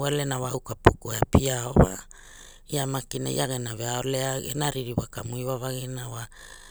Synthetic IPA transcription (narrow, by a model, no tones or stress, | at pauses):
walenawaukapukueapiaowa̰ | iamakina̰ḭʔaɡenaveaoleaɡḛnaɾiɾiwakamuiβavaɡenawa